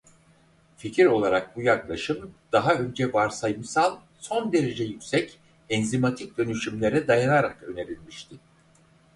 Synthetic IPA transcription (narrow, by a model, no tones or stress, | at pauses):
ficʰiɾo̞lˠaɾak̚bujaklˠaʃɯmd̪̥aɦaø̞nd͡ʒɛvaɾsajɯmsalˠ | so̞nd̪e̞ɾe̞d͡ʒɛjycsɛc | ɛnzimat̪ʰic̚d̪ø̞nyʃymlʲe̞ɾɛd̪ajanaɾakø̞ne̞ɾilʲmiʃt̪ʰɪ